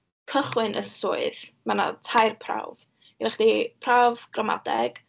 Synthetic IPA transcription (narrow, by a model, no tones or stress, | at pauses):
kʰəχwɪnʔəsʊɨðmana̰tʰajrpʰra̰wv | ɡirɪχd̥ipʰravɡ̥rama̰dɛ̰ɡ̥